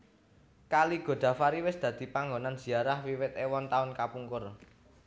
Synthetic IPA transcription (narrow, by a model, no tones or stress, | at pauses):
kaliɡ̥o̤d̪̥ä̤faɾiwɪsd̪̥ä̤d̪̥i̤paŋɡonanz̥i̤aɾahwiwɪt̪ewɔnt̪aʊnkapuŋkʊr